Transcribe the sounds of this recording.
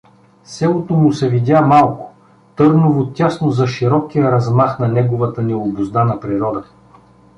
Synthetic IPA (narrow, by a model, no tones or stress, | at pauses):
sɛlˠot̪omʊsɛvid̪ʲamalˠkʊ̥ | t̪ɤɾnʊvot̪ʲːasnozɐʃiɾɔkijəɾɐzmaxnɐnɛɡʊvɐt̪ənɛobʊzd̪anɐpɾiɾɔd̪ə